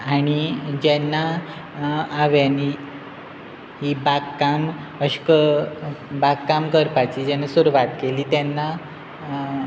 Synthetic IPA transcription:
aɽ̃id͡ʑɛnːaː | ʋjani | ɦibakkam | əɕkə | bakkamkəɾpat͡ɕiːd͡ʑɛnːasuɾuʋat̪keliːt̪jɛnːa

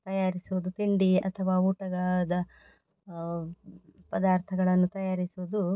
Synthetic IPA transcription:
t̪ɐjaːɾisuʋud̪ut̪iɳɖiɐ̰t̪ʰɐʋaːuːʈɐɡɐɭɐd̪ɐ | pɐd̪aːɾt̪ʰɐɡɐɭɐnːut̪ɐjaːɾisuʋud̪u

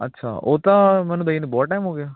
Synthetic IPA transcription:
ɐ̰tːʃʰa̰ːo̰ːt̪amɛːnũb̪əjnibɔːlʈaːjmɦoːɡejaː

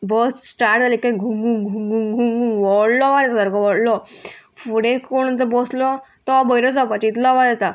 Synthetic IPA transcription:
bɔssʈaɾʈd͡zalikaɡʱuŋɡuŋɡʱuŋɡuŋɡʱuŋɡuŋʋɔɽlɔʋad̪ɛt̪ad̪əɾɡɔʋɔɽlɔfuɽẽkoɽ̃t͡səbɔslɔ | t̪ɔbəjɾɔd͡zapat͡ɕit̪lɔʋadɛt̪a

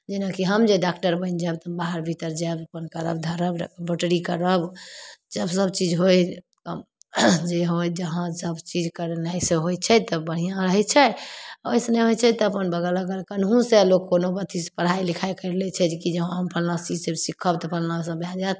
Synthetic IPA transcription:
d͡ʒenakiɦəmd͡ʒeɖakʈəɾbəɪnd͡ʒəbt̪əbaɦəɾbʱit̪əɾd͡ʒebəpənkəɾə̰bd̪ʱəɾəbbʱəʈɾikəɾəbd͡ʒəbsəb̚t͡ʃid͡ʒɦoj | k | d͡ʒeɦojd͡ʒəɦãsəbt͡ʃid͡ʒkəɾnaisẽɦojt͡ʃʰɛt̪əbəɽ̤ijãɾəɦɛt͡ʃʰɛaojsneɦojt͡ʃʰɛt̪ɔəpənbəɡələɡəɾkənɦũselokːonobət̪ʰispəɽ̤ailikʰajkəɪɾəlɛt͡ʃʰɛd͡ʒekid͡ʒəɦãɦəmpʰəlnãsid͡ʒsesikʰəbt̪ɔpʰəlnasə̃bʱjad͡ʒat̪

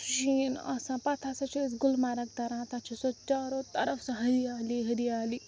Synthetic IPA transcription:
ʃinɐ̰sãpɐt̪ʰasɐt͡ʃʰisɡʊlmaɾɐk̚t̪ɐɾãːt̪at͡ʃʰisot͡ʃaɾot̪ɐɾəfsɐ̃ɦɐɾiaːliɦɐɾiaːli

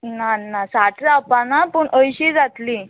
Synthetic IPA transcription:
nanasaʈʰapanapəɳʔəjɕiːd͡zat̪li

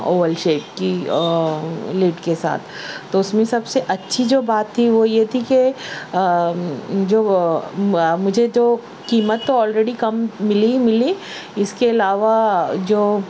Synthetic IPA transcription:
oːʋəlʃeːʈ̚ki | leːʈkesa̰ːt̪ʰːoʊsmẽsɐbseʔɐtːʃʰid͡ʒoːbaːt̪ʰːiʋojet̪ʰike | d͡ʒoː | mʊd͡ʒʱed͡ʒoː | kiːmət̪ːoɔːlɾeːɖikɐmːɪlimɪli | ɪskeɐlaːʋad͡ʒoː

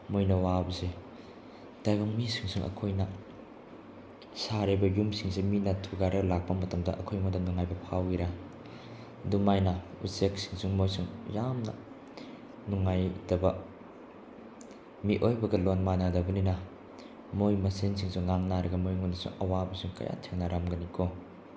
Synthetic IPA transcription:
mojnɐwabɐse | d̥ajɡoŋmisiŋsuŋʔɐ̰kʰojnɐ | saɾebɐjumsiŋseminɐtʰuɡaɾɐɡlak̚pɐmɐtɐmdɐ̰ʔɐkʰojmodanuŋajbɐpʰawiɾa | dumajnɐusek̚si̥ŋsuŋmojsuŋjamnɐ̰ | nuŋajdɐbɐ | miʔojbɐɡɐlonmanadɐbɐninɐ | mojmɐsensiŋsuŋːaŋnaɾɐɡɐmojŋondɐsṵŋɐwabɐsuŋkɐ̰ja̰tʰeŋnɐɾʔamɡɐnikʰo

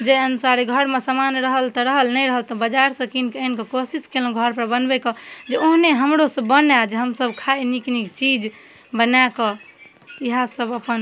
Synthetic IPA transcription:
d͡ʒeənusaɾiɡʱəɾmesəmanɾəɦəlt̪ɔɾəɦəlnəjɾəɦəlt̪ɔbəd͡ʒaɾsə̃kinkenkekosiskelũɡʱəɾpəɾbənbɛkɔd͡ʒeoɦneɦəmɾosəbənad͡ʒɦəmsəbkʰaeniknikt͡ʃid͡ʒ | bənakɔ | iɦãsəbəpən

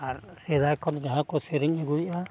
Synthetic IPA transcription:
aɾ | sed̪ajkʰɔnd͡ʒaɦãkɔseɾiɲeɡujʔa

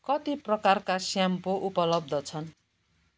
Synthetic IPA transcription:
kʌt̪iprʌkarkasjampoʔupʌlʌb̚d̪ʌt͡sʰʌn

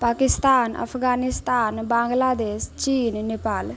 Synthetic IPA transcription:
paːkist̪aːnə̰pʰɡaːnist̪aːnbãːŋɡlad̪eːst͡ʃiːnːepaːl

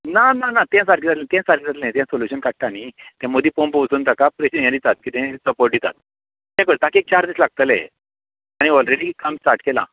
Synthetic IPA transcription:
nananat̪ɛ̃saɾʈ̚kid͡zat̪lẽt̪ɛ̃saɾkid͡zat̪lẽt̪ɛ̃soljuɕənkaʈ̚ʈañit̪ɛ̃mod̪iːpompəʋt͡suːnt̪akapɾeɕəjãɾit̪at̪̚kiːt̪ɛ̃səpoɾʈ̚ɖit̪a̰t̪̚ | jɛ̃kəɭt̪akek̚t͡ɕaɾd̪ẽslaɡ̚t̪əlɛ̰ | aɽ̃iɔlɾeɽikəmsʈaɾʈkelã̰

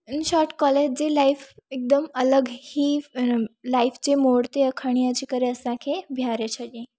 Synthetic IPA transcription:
nɕɔɾʈkɔled͡ʑd͡zelajfek̚d̪əmələɡhi | laift͡ɕemoɽt̪eəkʰəɽ̃iət͡ɕikəɾeəsãkʰebʱjaɾet͡ɕʰəlĩ

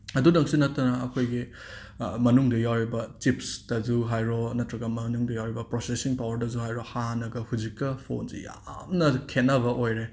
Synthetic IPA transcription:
ɐdudɐŋsunɐtːɐnɐːkʰojɡi | mɐnuŋdɐjawɾibɐt͡ʃipsd̥ɐzuɦajɾonɐtɾɐɡɐmɐnuŋdɐjawɾibɐpɾosesiŋpawɐɾdɐzuhajɾohanɐɡɐhud͡ʒikːɐpʰo̰nsḭja̰mnɐkʰenːɐβɐʔojɾe

